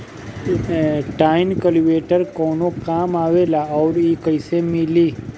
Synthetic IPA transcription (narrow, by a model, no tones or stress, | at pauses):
ʈainkəliʋeʈəɾkɔnokamaʋelaɔwɽikəisemili